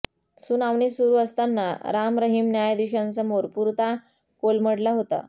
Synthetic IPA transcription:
sunaʋnisuɾuːəst̪anːa̰ɾamɾəɦimnjajd̪iɕansəmoɾpuɾt̪a | kolməɽlaɦot̪a̰

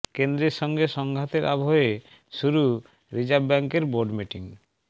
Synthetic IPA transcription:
kend̪ɾeʃɔŋɡeʃɔŋɡʱat̪eɾʔa̰bʱoe | ʃuɾu | ɾid͡ʑabbɛŋkeɾboɾɖmiʈiŋ

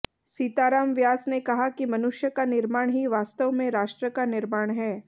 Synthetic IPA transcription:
siːt̪aːɾaːmʋjaːsnekɐɦakimɐnʊʃjəkanɪɾmaːɽ̃ɦiʋaːst̪əʋmẽɾaːʃʈɾəkanɪɾmaːɽ̃ɦɛː

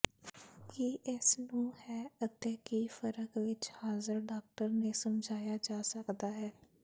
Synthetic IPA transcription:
kɪʔɪsnũːhɛːət̪eːkiːfəɾəkʋɪt͡ʃhaːzəɾɖaːk̚ʈəɾneːsəmd͡ʒʱaːjaːd͡ʒaːsəkd̪aːɦɛː

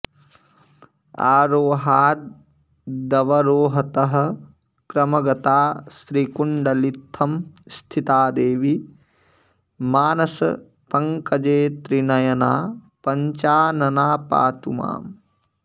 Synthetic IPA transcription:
a̰ːɾoːɦaːd̪̚ | d̪ɐʋɐɾoːɦɐt̪ɐɦɐ̆ | kɾɐmɐɡɐt̪aːsɾikuɳɖɐlit̪ʰːɐmst̪ʰit̪aːd̪eːʋi | maːnɐsɐ̰ | pɐŋkɐd͡ʒeːt̪ɾinɐjɐnaː | pɐɲt͡ʃaːnɐnaːpa̰ːt̪uma̰ːm

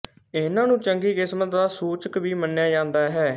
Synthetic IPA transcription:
ɪnãːnũːt͡ʃəŋɡiːkɪsmət̪̚d̪aːsuːt͡ʃəkʋiːmənːejaːd͡ʒãːnd̪aːɦɛː

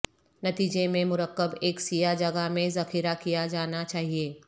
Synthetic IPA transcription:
nɐt̪iːd͡ʒemẽmʊɾəqːəbeːksijad͡ʒɐɡamẽzɐxiːɾakijad͡ʒaːnat͡ʃaːɦieː

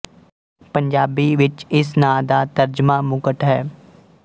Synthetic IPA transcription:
pəɲd͡ʒaːbiːʋɪt͡ʃɪsnãːd̪aːt̪əɾd͡ʒmaːmʊkəʈ̪ɦɛː

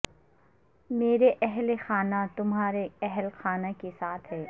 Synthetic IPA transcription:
meːɾeʔɛɦlexaːnat̪ʊmɦaːɾeɛɦlxaːnakesaːt̪ʰɦɛː

